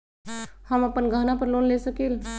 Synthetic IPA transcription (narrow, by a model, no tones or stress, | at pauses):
həməpənɡʱəɦnapəɾloːnlesəkiːl